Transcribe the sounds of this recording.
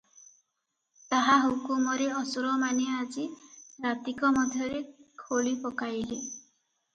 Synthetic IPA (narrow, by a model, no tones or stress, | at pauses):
t̪aɦaɦukumɔɾeɔsɔɾɔmanead͡ʒiɾat̪ikɔmɔd̪ʱjɔɾekʰolipɔkaili